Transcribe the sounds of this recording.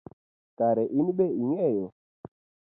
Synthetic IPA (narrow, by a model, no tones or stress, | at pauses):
kaɾɛʔinibeiŋɛjɔ